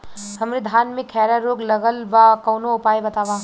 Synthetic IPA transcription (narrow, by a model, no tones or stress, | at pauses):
hɐmɾid̪ʱaːnmekʰːɛɾaɾoːɡlɐɡəlbakɐwnoʊpaːjbɐt̪aba